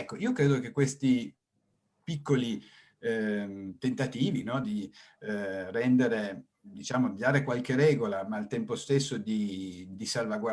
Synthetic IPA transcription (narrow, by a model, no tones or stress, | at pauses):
ɛkːoiːokɾeːd̪ok̟ekwest̪i | pikːoli | t̪ent̪at̪iːvinɔd̪i | rɛnd̪eɾe | d̪it͡ʃaːmoiiaːɾekwalk̟eɾɛːɡolamaːlt̪ɛmpost̪esːod̪id̪isalvaɡwa